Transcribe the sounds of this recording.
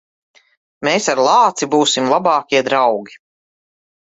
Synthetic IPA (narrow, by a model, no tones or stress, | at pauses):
meːsaɾlˠɑːt̪sibuːsimlˠabɑːkʲiɛd̪ɾawɡʲi